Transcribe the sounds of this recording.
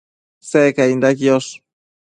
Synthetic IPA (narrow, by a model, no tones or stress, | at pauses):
sekaind̪akios